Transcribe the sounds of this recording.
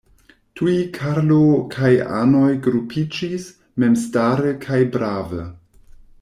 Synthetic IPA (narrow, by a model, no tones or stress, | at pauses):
tʰuikʰaɾlokʰaja̰no̞jɡɾupʰid͡ʒis | me̞mstaɾəkʰajbɾʔavə̰